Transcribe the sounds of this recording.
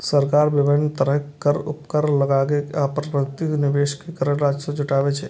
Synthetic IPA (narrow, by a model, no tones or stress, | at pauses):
səɾkaːɾbɪʋɪnt̪əɾəɦkəɾʊ̰pkəɾləɡaːɡekaːpɾəkt̪inɪʋeːʃkekəɾəɾaːd͡ʒsẽd͡ʒʊʈaːʋet͡ʃʰɛ